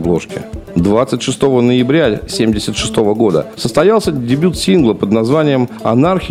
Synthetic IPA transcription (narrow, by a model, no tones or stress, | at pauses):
blˠo̞ʂkʲɪ̰d̪vat̪sɨtʲʂɨst̪o̞vənəjɪbɾʲasʲemʲdʲɪsʲət̪ʂɨ̥st̪o̞vəɡo̞d̪ə̰səst̪ɐjalˠsʲədʲɪbʲut̪sʲinɡlˠəpəd̪nɐzvanʲɪjəmɐnarxʲ